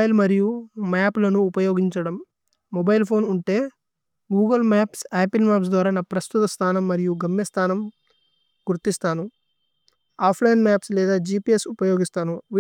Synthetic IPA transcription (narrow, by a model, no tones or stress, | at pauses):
jlmɐɾijumaːplɐnuːpɐjo̞ːɡiɲt͡ʃɐɽɐmː | ɔbɐjlpʰo̞ːnuɳʈe̞ː | ɡuːɡɐlmaːpsaːpilmaːps̬d̪ʋaːɾaːnaːpɾɐst̪ut̪ɐst̪ʰaːnɐmːɐɾijuɡɐmjɐst̪ʰaːnɐm | ɡuɾt̪ist̪aːnu | aːpʰlɐjinmaːpslɛːd̪aːd͡ʒiːpiːesupɐjoːɡist̪aːnuʋi